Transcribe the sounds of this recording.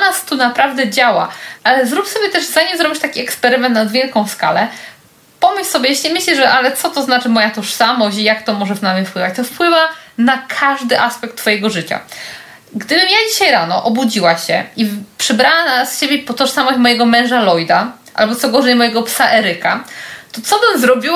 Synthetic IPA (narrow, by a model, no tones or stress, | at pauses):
nast̪unapɾavd̪ɛd͡ʑawa̰ʔalɛzɾupsɔbʲjɛt̪ɛʐzaɲɛmzɾɔbʲit͡ɕt̪akʲiɛkspɛɾɘmɛnt̪nad̪vʲjɛlkɔ̃w̃ska̰lɛ | pɔmɘssɔbʲjɛjeɕlʲimɘɕlɛʐɛʔalɛt̪sɔt̪ɔznat͡ʂɘmɔjat̪ɔʂsamɔɕt͡ɕijakt̪ɔmɔʐɛvnamʲefpwɘvat͡ɕt̪ɔfpwɘvanakʰaʐd̪ɘʔaspɛk̚t̪ːfɔjɛɡɔʐɘt͡ɕa̰ | ɡd̪ɘbɘmjad͡ʑiɕajɾanɔʔɔbud͡ʑiwaɕɛipʂɛbɾawanasɕebʲjɛpɔt̪ɔʂsamɔɕt͡ɕmɔjɛɡɔmɛ̃w̃ʐalɔjd̪a | ʔa̰lbɔt̪sɔɡɔʐɛjmɔjɛɡɔpsaʔɛɾɘkat̪ɔt̪sɔbɘmzɾɔbʲiw